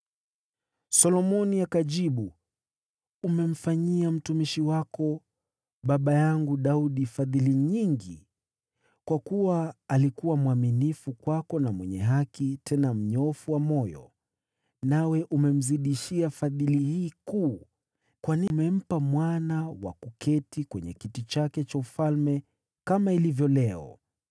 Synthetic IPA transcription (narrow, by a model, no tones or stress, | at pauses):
sɔlɔmɔniakaʄiɓu | umɛm̩faɲiam̩tumiʃiwakɔ | ɓaɓajaŋɡuɗauɗifaðiliɲiŋɡḭ | kwakuwaːlikuwamwaminifukwakɔnamwɛɲɛ̰ɦakitʰɛnam̩ɲɔfuwamɔjɔ̰ | nawɛʔumɛm̩ziɗiʃiafaðilihiːkuː | kwanimɛm̩pamwanawa̰kukʰɛtikwɛɲɛ̰kitit͡ʃakɛt͡ʃaufalmɛ | kamailivjɔlɛɔ̰